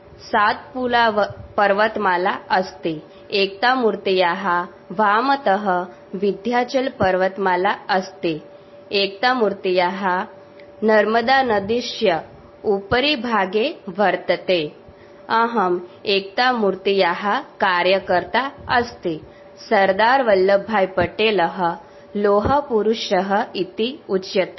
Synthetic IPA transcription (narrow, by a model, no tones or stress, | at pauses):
sat̪̚pulaʋpəɾʋət̪malaəst̪e | ek̚t̪amuɾt̪ijaɦa | ʋamət̪əɦə | ʋid̪ʱjat͡ɕəlpəɾʋət̪malaəst̪e | ek̚t̪amuɾt̪ijaɦa | nəɾməd̪anəd̪iɕjə | upəɾibʱaɡeʋʱəɾt̪ət̪e | əɦəmek̚t̪amuɾt̪ijaɦakaɾjəkəɾt̪aəst̪i | səɾd̪aɾʋəlːəbʱajpəʈeləɦə | loɦəpuɾuɕəɦəit̪iut͡ɕːjət̪